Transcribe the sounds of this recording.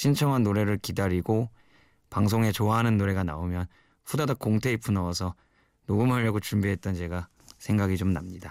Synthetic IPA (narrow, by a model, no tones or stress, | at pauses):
ɕʰint͡ɕʰʌŋɦanːoɾe̞ɾɯɭkidaɾiɡo | paŋs̬ʰoŋet͡ɕoaɦanɯnːoɾe̞ɡana̰omjʌn | ɸudadak͈oŋtʰe̞ipʰunʌʌsʰʌ | noɡumɦaʎːʌɡot͡ɕumbiɦe̞t̚t͈ʌnt͡ɕe̞ɡa | sʰe̞ŋɡaɡit͡ɕomnamɲida